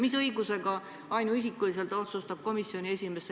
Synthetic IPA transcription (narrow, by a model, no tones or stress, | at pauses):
misɤjɡuse̞ɡɑ | ɑjnuisikːˑulis̬e̞lt̪ːˑo̞t̪sust̪ɑb̥̚ko̞misio̞nʲie̞sʲime̞se